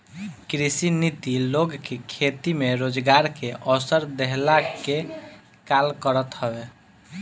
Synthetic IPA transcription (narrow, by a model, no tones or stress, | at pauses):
kɾisinit̪iloɡkekʰet̪imeɾod͡ʒɡaɾkeʔɔsəɾd̪eɦlake | kalkəɾət̪ɦəbe